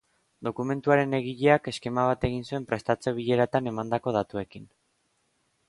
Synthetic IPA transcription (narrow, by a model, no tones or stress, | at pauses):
d̪o̞kume̞nt̪uaɾe̞ne̞ɣ̞iʎe̞ake̞ske̞maβ̞at̪e̞ɣ̞insue̞mpɾe̞st̪at͡se̞β̞iʎe̞ɾat̪ane̞mand̪ako̞ð̞at̪ue̞kin